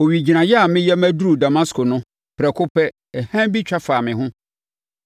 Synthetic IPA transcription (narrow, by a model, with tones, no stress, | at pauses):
o˨wi˨d͡ʑi˨nã˨jɛ˦a˨mɪ̃˦jɛ˦mæ̃˦dɾu˨da˨ma˦skʰʊ˨nʊ̃˦ | pʰɾɛ˨kʰʊ˦pʰɛ˦ | ɛ˨hã˦bi˦t͡ɕᶣʰa˦faː˨mɪ̃˨ɦʊ̃˦